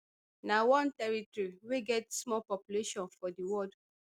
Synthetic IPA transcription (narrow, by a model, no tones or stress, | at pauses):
nawɔ̃ntɛɹitɔɹiweɡɛtsmɔpɔpjuleʃɔ̃nfɔdiwɔd